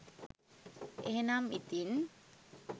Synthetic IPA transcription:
ʔeɦnamit̪in

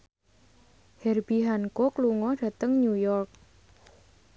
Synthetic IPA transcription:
hɛrb̥iɦankokluŋɔɖ̥ä̤t̪əŋɲujɔrk̚

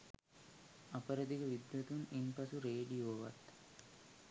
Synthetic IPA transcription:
ɐpɐɾɐd̪iɡɐʋid̪jɐt̪uninpɐsuɾeːɖijoːʋɐ̰t̪ː

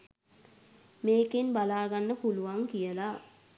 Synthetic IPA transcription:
meːkenbalaːɡanːəpuluʋaŋkijəla

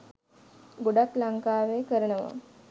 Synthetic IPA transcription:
ɡoɖak̪laŋkaːʋeːkəɾənəʋa̰

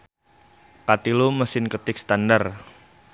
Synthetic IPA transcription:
kat̪iloməsɪnkət̪ɪk̚st̪andar

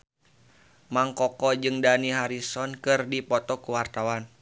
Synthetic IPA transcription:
maŋkɔkɔd͡ʒɨŋdaniɦaɾisɔnkɨrdipɔt̪ɔkuwart̪awan

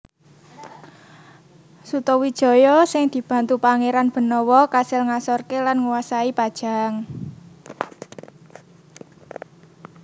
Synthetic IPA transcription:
sut̪ɔwid̥ʒ̥ɔ̤jɔsɪŋd̪̥i̤b̥a̤nt̪upaŋeɾanb̥ə̤nɔwɔkasɪlŋasɔrkelanŋuwasaipad̥ʒ̥a̤ŋ

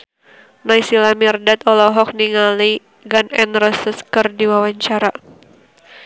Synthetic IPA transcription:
najsilamirdat̪ɔlɔɦɔk̚niŋali | ɡanɛnrɔsəskərdiwawaɲt͡ʃaɾa

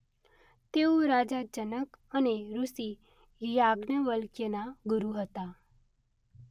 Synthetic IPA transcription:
t̪eõɾad͡ʒad͡ʒənək | əneɾusi | jaɡnəʋəlkjənaɡuɾuɦət̪a

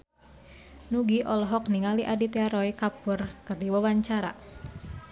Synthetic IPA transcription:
nuɡiʔɔlɔɦɔk̚niŋaliʔadit̪ɛaɾɔjkapurkɨrdiwawaɲt͡ʃaɾa

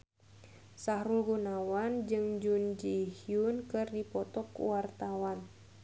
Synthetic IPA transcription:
sahɾulɡunawand͡ʒɨŋd͡ʒund͡ʒihiunkɨrdipɔt̪ɔkṵwart̪awan

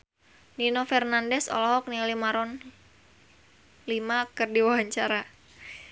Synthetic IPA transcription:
ninofɛrnandɛsɔ̰lɔɦɔk̚nialimaɾɔn | limakɨrdiwawaɲt͡ʃaɾa

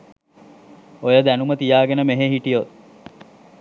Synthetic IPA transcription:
ojəd̪ænumət̪ijaːɡenəmeɦeɦiʈijot̪̚

